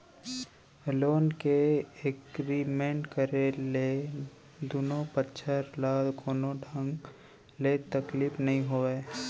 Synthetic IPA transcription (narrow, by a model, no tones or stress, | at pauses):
loːnkeekɾiːmẽɳʈkəɾele | d̪uːnopətːʃʰəɾlaːlɡoːnoɖʱə̃ŋɡ | let̪ɐkliːfnɐɦĩɦoːeː